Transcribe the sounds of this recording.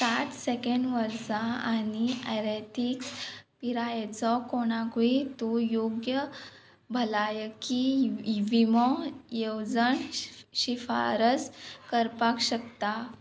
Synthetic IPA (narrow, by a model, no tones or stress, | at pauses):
sat̪sekeɳɖʋəɾt͡saaniaɾeʈikspiɾajet͡sɔkoɽ̃ãkit̪ujoɡjə | bʱəlajkiʋimɔjewd͡zəɳɕifa̰ɾəskəɾpakɕəkt̪a